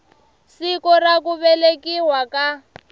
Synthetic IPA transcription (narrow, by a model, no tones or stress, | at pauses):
sikɔrakuβɛlekiɦwaka